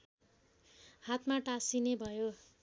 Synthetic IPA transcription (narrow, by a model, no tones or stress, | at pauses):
hat̪maʈasinebʱʌjo